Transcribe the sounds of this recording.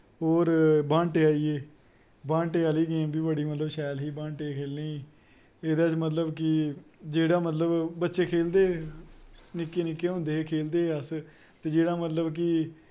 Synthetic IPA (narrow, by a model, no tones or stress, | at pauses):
ɦoːɾbãːɳʈeːaːiːeː | bãːɳʈeːəliːɡẽːbiːbəɽiːmət̪ləbʃɛːlɦiːbãːɳʈeːkʰeːlneːiː | eːd̪aːt͡ʃmət̪ləbkɪ | d͡ʒeːɽaːmət̪ləbbətːʃeːkʰeːld̪eː | nɪkːeːnɪkːeːɦõːnd̪eːkʰeːld̪eːəs | t̪eːd͡ʒeːɽaːmət̪ləbk̬ɪ